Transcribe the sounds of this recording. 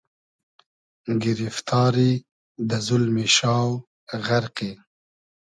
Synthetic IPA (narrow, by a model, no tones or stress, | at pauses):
ɡɪɾift̪ʰɑːɾi | d̪əzʊlmiʃɑːw | ɣaɾqe